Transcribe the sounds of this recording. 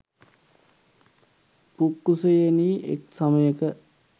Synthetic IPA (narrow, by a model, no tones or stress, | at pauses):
pukːusejeniːʔḛksɐməjəkə